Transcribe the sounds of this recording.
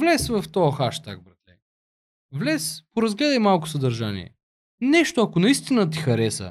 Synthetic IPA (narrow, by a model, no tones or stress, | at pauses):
vlɛsvɐft̪ɔɐxaʃt̪a̰ɡ̚bɾɐt̪lɛ̰ | vlɛspoɾɐzɡlɛd̪əjmalˠkʊ̥sɐd̪ɐɾʒanḭɛ̰ | nɛʃt̪oɐkonɐist̪inət̪̬ixɐɾɛsə̰